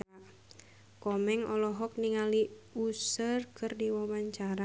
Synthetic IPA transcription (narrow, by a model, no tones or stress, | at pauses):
kɔmɛŋɔlɔɦɔk̚niŋaliusərkɨrdiwawaɲt͡ʃaɾa